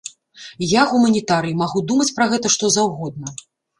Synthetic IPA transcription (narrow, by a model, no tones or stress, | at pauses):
jaɣumɐnʲit̪aɾɨjimaɣud̪umɐt͡sʲpɾɐɣɛt̪ɐʂt̪ɔzawɣɔd̪̚nɐ